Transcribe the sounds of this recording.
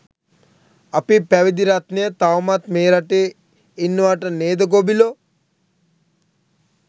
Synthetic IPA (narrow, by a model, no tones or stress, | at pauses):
apipæʋid̪iɾat̪nijət̪awmat̪meːɾaʈe | inːəʋaʈəneːd̪ɐɡobilo